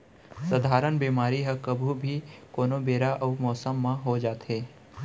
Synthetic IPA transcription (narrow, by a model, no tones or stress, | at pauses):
sɐd̪ʱaːɾənbiːmaːɾiɦɐkɐbʱubʱikoːnobeːɾaʔɔːmɔːsəmːãɦod͡ʒaːt̪ɦeː